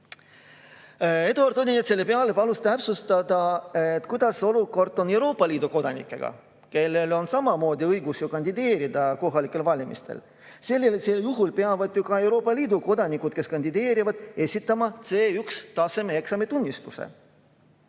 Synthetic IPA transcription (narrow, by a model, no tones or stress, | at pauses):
e̞d̪uɑɾt̪onʲinet̪selːe̞peɑlepɑlust̪æpsust̪ɑd̪ɑet̪ˑkujd̪̥ɑso̞luko̞rd̪̥ˑo̞ne̞wɾo̞ːpːˑɑlʲiːd̪̥uko̞d̪̥ɑnḭkːˑe̞ɡ̥ɑ̰ | ke̞lːe̞lo̞nsɑmɑmo̞ːd̪iɤjɡ̥usjokɑnʲd̪id̪e̞ːɾid̪̥ɑko̞ɦɑlʲikːˑe̞lvɑlʲimʔḭst̪ḛl | se̞lʲːeliseljuɦulpe̞ɑvɑd̪̥jukɑe̞wɾo̞ːpˑːɑliːd̪uko̞d̪ɑnikːˑud̪̥ke̞skɑnʲd̪̥id̪e̞ːɾivɑd̪̥e̞sʲit̪ːˑɑmɑt̪se̞ːykst̪ɑse̞meeksɑmet̪unʲːist̪usḛ